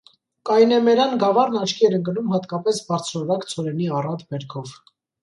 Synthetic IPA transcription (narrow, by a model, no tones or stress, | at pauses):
kɑjnɛmɛɾɑnɡɑvɑɾnɑt͡ʃʰkʰiɛɾəŋkənumhɑt̪kɑpɛsbɑɾt͡sʰɾɔɾɑkt͡sʰɔɾɛniɑrɑt̪bɛɾkʰɔv